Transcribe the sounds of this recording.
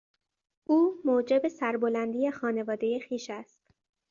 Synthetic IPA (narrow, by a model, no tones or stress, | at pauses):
ʔuːmoːd͡ʒe̞be̞sæɾbo̞lænd̪ijexɒːne̞vɒːd̪e̞jexiːʃæst̪